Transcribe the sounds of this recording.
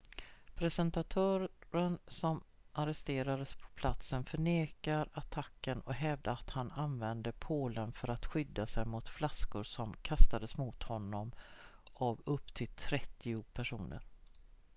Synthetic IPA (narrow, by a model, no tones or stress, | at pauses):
pʰɾɛsɛnt̪at̪ʰœːɾɾənsɔm | ʔaɾɛst̪eːɾad̪əspʰɔ̥pʰlat̪sənfœɳeːkaɾat̪ʰakːənɔkɦɛvd̪əat̪hananvɛnd̪əpʰoːlənfœɾat̪ɧʏd̪ːasɛjmʊt̪flaskʊɾsɔmkʰast̪ad̪əsmʊt̪hɔnːɔm | avɵpːt̪ʰɪlt̪ʰɾɛt̪ːɪʊpʰæʂuːnə̰ɾ